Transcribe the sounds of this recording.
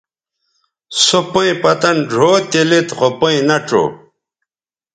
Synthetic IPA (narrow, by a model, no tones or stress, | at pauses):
sopõĩpɐt̪ɐnɖʱoːt̪ilit̪χopoĩnɐʈ͡ʂo̰